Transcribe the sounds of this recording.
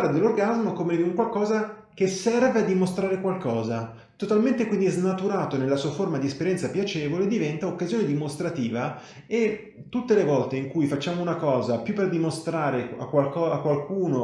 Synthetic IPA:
lːad̪elːorɡazmokomed̪iuŋkwalkɔːza | kesːɛrvead̪ːimost̪ɾaːɾekwalkɔːza | t̪ot̪alment̪ekwind̪iznat̪uɾaːt̪onelːasuːaformad̪iespeɾjɛnt̪sapjat͡ʃɛːvoled̪ivɛnt̪aokːazjoːned̪imost̪ɾat̪iːva | e | t̪ːut̪ːelevɔlt̪eiŋkujfat͡ʃːaːmounakɔːzapjupːerd̪imost̪ɾaːɾea̰kwalkɔakːwalkuːno

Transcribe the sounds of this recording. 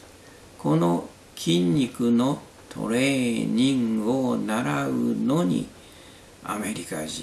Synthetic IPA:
ko̞no̞ | kʲʰĩɲʲːikɯ̟no̞ | t̪ʰo̞̰ɾe̞ːɲĩŋonaɾaɯno̞ɲḭ | a̰me̞ɾʲikad͡ʑḭ̃

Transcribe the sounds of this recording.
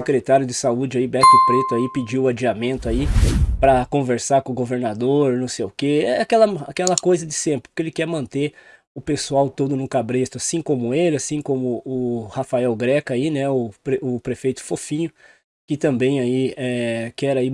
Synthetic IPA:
sekɾet̪aɾjʊd͡ʒ̪ɪsaud͡ʒɪaibɛk̪ʊpɾet̪ʊaipɪd͡ʒiwad͡ʒiamẽnt̪ʊaipɾɐkõveɾsaɾkõʊɡoveɾnad̪oɾnɐ̃w̃sejʊkeɛakɛlɐa̰kɛlɐkojzɐd͡ʒ̪ɪsẽmpɾɪ̥kelɪkɛɾmɐ̃nt̪e | ʊpesuawt̪od̪ʊnʊ̃kabɾet̪ʊasĩkõmʊelɪasĩkõmʊʊhafaɛwɡɾɛkɐainɛʊpɾeʊpɾefejt̪ʊ̥fofĩɲʊ | kɪt̪ɐ̃mbẽj̃aiɛkɛɾai

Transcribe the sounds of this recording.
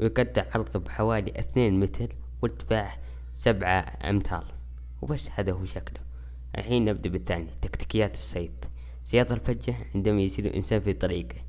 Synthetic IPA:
wjɡad̪ːɪɾʕɑɾˤðˤubħawaːliʔɪθneːnmɪt̪ʰl | wɪt̪ːbaħ | sabʕa̰ | ʔɪ̰mt̪ʰa̰ːl | wbasːhaːd̪ahuʃaklʊ | ʔa̰lħiːnːɪb̚d̪abɪθːaːnit̪akt̪i̥kɪjːaːt̪ɨ̥sˤːɑjːt̪ˤ | sɪjɑːðˤalfad͡ʒːaʕɪnd̪amajsiːlṵʔɪ̰nsaːnfit̪ˤɑɾiːɡa

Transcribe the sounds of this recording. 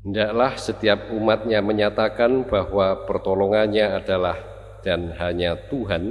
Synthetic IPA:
ndaʔlahsət̪iap̚umat̪̚ɲaməɲat̪akanbahwapərt̪ɔlɔŋanɲaːdalah | d̥anɦaɲat̪uɦan

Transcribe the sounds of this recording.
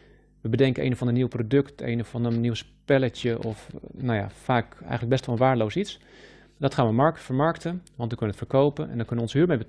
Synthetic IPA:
ʋəbədɛŋkəʔḛjnəfɑndəniwprodɵktḛjnəfɑnənːiwspɛlətjəʔɔfnawja̰faːkɛ̰jxənləɡbɛstʋɔlˠʋaːɹdəlowsits | dɔtχaːnʋəmɑɹkfəɹmɑɹktəʋɑntʋəkønəətfəɹkowpənʔɛ̰ndɔtkønəʋəɔnsɦyːɹmejbə

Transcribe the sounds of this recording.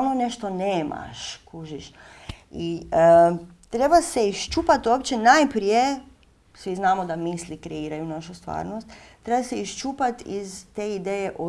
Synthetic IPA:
lnone̞ʃt̪oneːma̰ʃkuʒiʃ | i | t̪ɾe̞baseiʃt͡ʃupat̪uopt͡ʃenajpɾije | sʋiznaːmod̪amislikɾeiːɾajunaʃust̪ʋa̰ːɾnost̪t̪ːɾebaseiʃt͡ʃupat̪izt̪eid̪eːjeʔo

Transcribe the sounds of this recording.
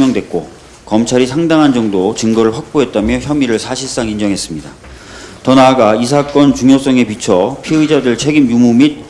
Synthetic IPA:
jʌŋdwe̞t̚k͈o | kʌmt͡ɕʰaɾisʰaŋdaŋɦand͡ʑʌŋdot͡ɕɯŋɡʌɾɯɭɸwak̚p͈oɦe̞t̚t͈amjʌçjʌmiɾɯɭsʰaɕʰiɭs͈aŋind͡ʑʌŋɦe̞s͈ɯmɲida | tʌnaɡais̬ʰak͈ʌnt͡ɕuŋjos͈ʌŋe̞pit͡ɕʰʌpʰiɯd͡ʑadɯɭt͡ɕʰe̞ɡimjumumit̚

